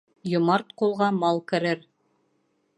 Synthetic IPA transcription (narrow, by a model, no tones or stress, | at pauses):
jŏmɑɾt̪qulˠʁɑmɑlˠkɘ̆ɾɘɾ